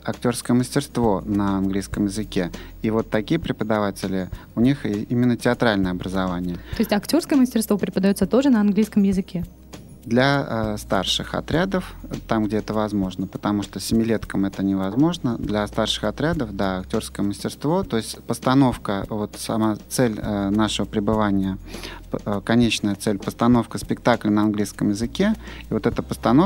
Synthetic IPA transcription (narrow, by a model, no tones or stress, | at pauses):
ɐktʲo̞rskəjəməsʲtʲɪrst̪vo̞nəɐnɡlʲijskəmjɪzɨkʲe̞ | ivo̞t̪ːɐkʲijəpɾʲɪpəd̪ɐvatʲɪlʲɪʊnʲiximʲɪnːətʲɪɐt̪ɾalʲnəjəɐbɾəzɐvanʲɪjəoɪsʲtʲɐktʲo̞rskəjəməsʲtʲɪrst̪vopɾʲɪpəd̪ɐjot̪sət̪o̞ʐɨnɐɐnɡlʲijskəmjɪzɨkʲe̞ | d̪lʲɐst̪arʂɨxɐ̰t̪ɾʲad̪əft̪amɡdʲe̞ɛt̪əvɐzmo̞ʐnəpət̪ɐmuʂt̪osʲɪmʲɪlʲet̪kəmɛt̪ənʲɪvɐzmo̞ʐnəd̪lʲɐst̪arʂɨ̥xɐt̪ɾʲad̪əfd̪aɐktʲo̞rskəjəməsʲtʲɪrst̪vo̞t̪o̞ɪsʲtʲpəst̪ɐno̞fkəvo̞t̪sɐmat̪sɛlʲnaʂəvəpɾʲɪbɨvanʲɪjə | kɐnʲet͡ɕnəjət̪sɛlʲpəst̪ɐno̞fkəspʲɪkt̪aklʲɪnəɐnɡlʲijskəmjɪzɨkʲe̞ivo̞t̪ɛt̪əpəst̪ɐno